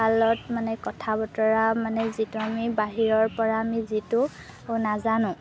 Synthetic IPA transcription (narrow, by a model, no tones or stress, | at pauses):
alɔtmanɛkɔtʰabɔtɔɹamanɛzituamibaɦiɹɔɹpɔɹaːmizitʊ | nazanʊ̃